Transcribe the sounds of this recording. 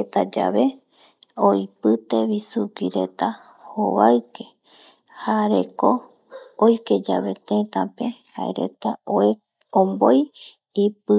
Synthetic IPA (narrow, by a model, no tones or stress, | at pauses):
et̪ad͡ʒa̰βe̞ | ojpɨt̪e̞βisukiɾe̞̰t̪a | hoβaɨke̞ | haɾe̞̰ko | ojke̞d͡ʒaβe̞t̪et̪ape̞haḛɾe̞̰t̪ao | omboj | ipɨ